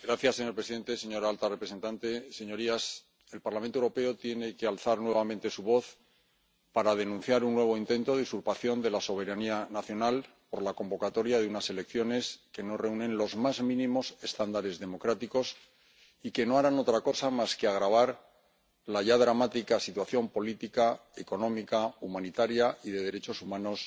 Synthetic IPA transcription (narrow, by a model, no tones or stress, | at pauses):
ɡɾaθjasːe̞ɲoɾpɾesiðe̞nt̪e̞se̞ɲo̞ɾalt̪arepɾese̞nt̪ant̪e̞se̞ɲo̞ɾias | e̞lpaɾlament̪owuɾo̞pe̞o̞t̪je̞ne̞ke̞alθaɾnwe̞β̞amẽnt̪e̞suβo̞θ | paɾaðe̞nũn̟θjaɾunːwe̞β̞o̞int̪e̞nt̪oðisuɾpaθjo̞nd̪e̞laso̞β̞e̞ɾanianaθjo̞nal | po̞ɾlako̞mbo̞kat̪o̞ɾjaðunase̞le̞kθjo̞ne̞ske̞no̞re̞unẽ̞nlo̞zmazmĩnĩmo̞se̞st̪and̪aɾe̞zðe̞mo̞kɾat̪iko̞s | ike̞no̞aɾano̞t̪ɾako̞samaske̞aɣɾaβ̞aɾ | laʝaðɾamat̪ikasit̪waθjo̞mpo̞lit̪ikae̞ko̞no̞mikaumãnit̪aɾjaʔiðe̞ð̞e̞ɾe̞t͡ʃo̞sumãno̞s